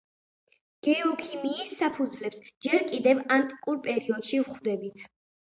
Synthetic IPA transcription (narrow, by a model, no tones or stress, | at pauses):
ɡ̥ɛɔkʰimiːsːapʰud̪zvlɛpsd͡ʒɛɾkʼid̪ɛvant̪ʼkʼuɾpʼɛɾiɔd̪ʃivχd̪ɛbit̪ʰ